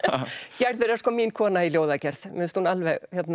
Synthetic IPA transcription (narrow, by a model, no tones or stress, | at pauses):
cɛɾðʏɾɛɾskɔːminkʰɔːnailjoːwðacɛɾ̥θmɪnst̪hunalvɛɣhɛt̪na